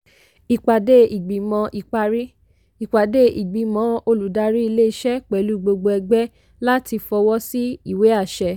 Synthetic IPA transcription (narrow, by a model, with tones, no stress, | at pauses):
i˨k͡pa˨de˦i˨ɡ͡bi˨mɔ̃˧˦ʔi˨k͡pa˧ɾi˦ | i˨k͡pa˨de˦ʔi˨ɡ͡bi˨˦mɔ̃˨˦o˧lu˨da˧ɾi˦i˧le˦i˧ʃɛ˦k͡pɛ˨˦lu˦˨ɡ͡bo˧ɡ͡bo˧ɛ˧ɡ͡bɛ˦ | la˦ti˧fɔ˧wɔ˦si˦i˦˨we˨˦a˦˨ʃɛ˨˧